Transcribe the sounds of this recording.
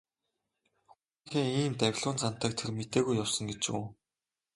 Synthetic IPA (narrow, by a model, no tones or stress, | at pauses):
xu | ŋxeːiːmt̪æwʲɮʊːnt͡san̥t̪æːk̚t̪ʰermet̪eːɣujːawsə̆ŋɡet͡ɕṵː